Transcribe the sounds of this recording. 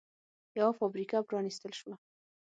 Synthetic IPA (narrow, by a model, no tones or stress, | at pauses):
jawafɑbɾikapɾɑnist̪əlʃwa